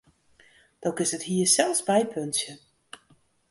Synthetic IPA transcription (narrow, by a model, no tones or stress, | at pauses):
d̥okɪsəthiːəsɛlˠsbɛjpʰøntsjə